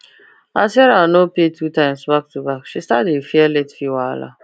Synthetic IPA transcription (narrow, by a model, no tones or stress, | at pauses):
asɛɾanopetʰutãɪ̃msbak̚tubakʃistatefiɛlɛtfiwala̰